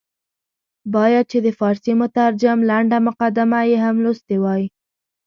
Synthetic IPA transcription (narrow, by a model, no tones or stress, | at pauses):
bɑjad̪̚t͡ʃed̪əfɑɾsemʊt̪aɾd͡ʒamlaɳɖamʊqad̪amajeɦamlust̪ewɑji